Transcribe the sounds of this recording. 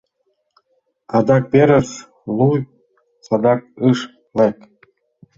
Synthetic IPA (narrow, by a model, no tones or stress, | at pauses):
ɑd̪ɑk̚peɾəs | luj | sɑd̪ɑk̚ɯʃ | lek